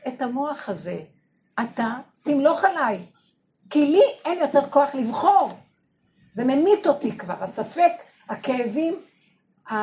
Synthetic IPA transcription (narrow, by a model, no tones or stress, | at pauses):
etamo̞aχaze̞ | atat̪imlo̞χalaj | kilienjo̞te̞ʁko̞aχlivχo̞ʁ | ze̞me̞mito̞tikva̰ʁasafe̞k | hakeːvim | a